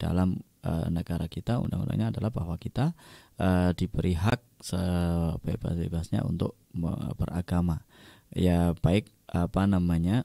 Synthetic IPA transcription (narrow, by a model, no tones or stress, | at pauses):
d̥a̰lam | ə̰nəɡaɾakit̪aṵnda̰ŋṵnda̰ŋɲaːdalaɦbaɦwakit̪aədipəɾiɦak̚səbebasbebaasɲa̰ʔṵnt̪ʊk̚b̥əraɡamajabaɪk̚apanamaɲa